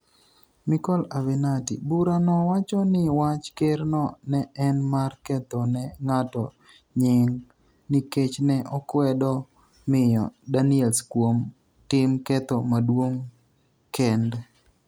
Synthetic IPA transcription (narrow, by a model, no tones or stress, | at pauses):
mɪkɔlavɛnatḭbuɾanɔwat͡ʃɔnɪwat͡ʃkernɔnɛʔɛnmarkɛt̪ɔnɛŋatɔ | ɲɪŋ | niket͡ʃnɛʔɔkwɛdɔ | mɪjɔ̰daniɛlskwom | tɪmkɛt̪ɔmadwoŋ | kɛndɛ